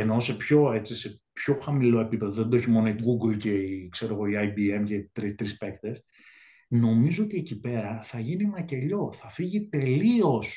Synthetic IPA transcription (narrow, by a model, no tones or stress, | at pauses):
enose̞pço̞e̞t͡sise̞pço̞xɐmilo̞e̞pipe̞ðoðend̪o̞çimo̞no̞iɡuɡlce̞ikse̞ɾo̞ɣo̞iɐjbie̞mcet̪ɾist̪ɾispe̞kt̪e̞s | no̞mizoot̪ie̞cipe̞ɾɐθɐʝinienɐce̞ʎo̞θɐfiʝit̪e̞lio̞s